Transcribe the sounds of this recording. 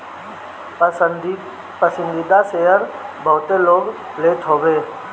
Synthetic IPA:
pəsə̃nd̪iːd̪aseɦəɾbʱəʋt̪eloːɡ | leːt̪ʰɦoːʋeː

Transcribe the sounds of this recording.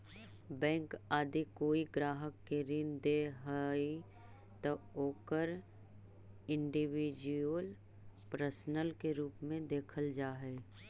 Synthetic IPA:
bɛ̃ːŋkaːd̪ikoːiɡɾaːɦəkːeɾɪnd̪eɦəi | t̪əoːkəɾ | ɪ̃ɳɖiwid͡ʒuəl | pɾəsnəlkeɾuːpmẽd̪eːkʰəld͡ʒaːɦɛː

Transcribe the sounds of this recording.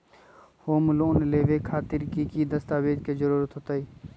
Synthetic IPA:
hoːmloːnleːʋeːkʰaːt̪ɪɾkikid̪əst̪aːʋeːd̪kezəɾuːɾət̪ɦoːt̪aiː

